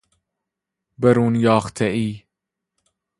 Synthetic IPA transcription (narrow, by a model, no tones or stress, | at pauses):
beɾuːnjɑːxt̪ʰeʔiː